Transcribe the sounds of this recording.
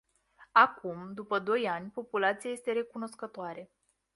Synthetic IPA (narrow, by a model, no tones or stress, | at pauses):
akumd̪upəd̪o̞janʲpo̞pulat̪sijaje̞st̪e̞ɾe̞kuno̞skət̪oaɾe̞